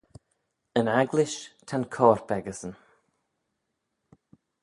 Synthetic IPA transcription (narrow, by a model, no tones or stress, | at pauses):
ənaɡlɪʃt̪ʰankʰɔːɹbɛɡəsən